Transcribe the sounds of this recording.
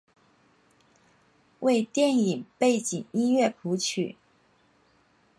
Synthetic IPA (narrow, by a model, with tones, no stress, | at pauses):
we˥˧ɪt̪jɛ˥˩ni˨˩ŋpe˥˩ɪt͡ɕi˨˩ŋi˥nɥɛ˥˩pʰu˧˥t͡ɕʰy̰˨˩˦